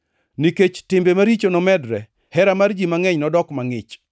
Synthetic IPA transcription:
niket͡ʃtɪmbemaɾit͡ʃonɔmɛdɾɛ | hɛɾamard͡ʒimaŋɛɲnɔdɔkmaŋɪt͡ʃ

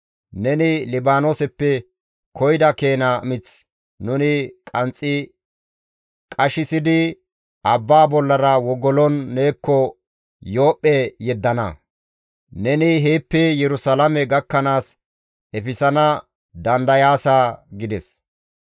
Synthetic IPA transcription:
nɛnɪlɪbaːno̞ːsɛpːɛ | kɔjd̪ɐkeːnamɪt͡s | nʊnɪkʼɐnt͡sʼːɪ | kʼɐʃɪsɪd̪ɪ | ɐbːaːbɔlːɐɾɐwɔɡɔlɔnːeːkːɔ | jo̞ːpʼːɛjɛd̪ːɐnɐ̰ | nɛnɪɦeːpːɛjɛɾʊsɐlɐmɛɡɐkːɐnaːs | ɛfɪsɐnɐ | d̪ɐnd̪ɐjaːsaɡɪd̪ɛs

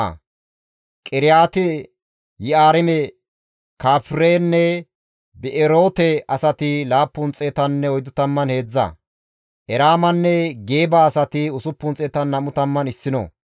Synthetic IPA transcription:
kʼɪɾɪjaːt̪ɪ | jɪaːɾɪmɛ | kaːpɾeːnːɛ | bɛʔɛɾoːt̪ɛɐsɐt̪ɪlaːpːʊnt͡sʼeːt̪ɐnːɛɔjd̪ʊt̪ɐmːɐnhe̞ːd͡zːɐ̰ | ʔɛɾaːmɐnːɛɡeːbaːsɐt̪ɪʊsʊpːʊnt͡sʼeːt̪ɐnːɐmʊt̪ɐmːɐnɪsːɪnɔ̰

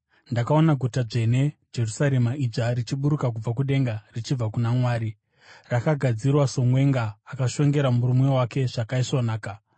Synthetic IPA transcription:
ndakao̞naɡʱutad͡ʐe̞ne̞d͡ʒe̞rusaɾe̞maʔid͡ʐarit͡ʃiɓuɾukak̬ub͡vakuɗe̞ŋɡarit͡ʃib͡vakunamwaːɾi | rakaɡʱad͡zirwaso̞ŋwe̞ŋɡaːkaʃo̞ŋɡe̞ɾamuɾumwe̞wake̞ʐ̥akaiʂonaːka

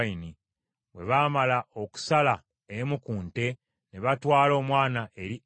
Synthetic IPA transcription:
ini | βwe̞βaːmalaʔo̞ku̥sala | emukuːnte̞ | ne̞βatwaːlo̞ːmwaːnaʔe̞ɾi

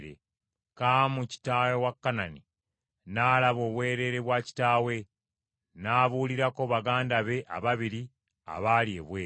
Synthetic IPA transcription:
ɾḛ | kamuci̥taːwewakːanani | naːlaβo̞ːβwe̞ːɾe̞ːɾeβwaːci̥taːwe̞ | naːβuːliɾako̞βaɡaːndaβe̞ʔa̰βaβiɾi | a̰βaːlie̞̰βweː

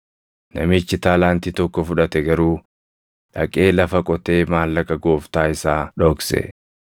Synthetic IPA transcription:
nɐ̰mɪt͡ʃːɪt̪aːlaːnt̪iːt̪ɔkːɔfʊᶑɐt̪ɛɡɐɾuː | ᶑɐ̰kʼe̞ːlɐfɐkʼɔt̪e̞ːmaːlːɐkɐɡo̞ːft̪aːɪsaːᶑoːksɛ̰

